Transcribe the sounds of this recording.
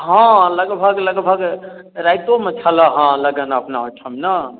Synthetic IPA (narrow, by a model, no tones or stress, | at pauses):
ɦãləɡbʱəɡləɡbʱəɡ | ɾajt̪omet͡ʃʰələɦãləɡənəpnaɦoʈʰəmnə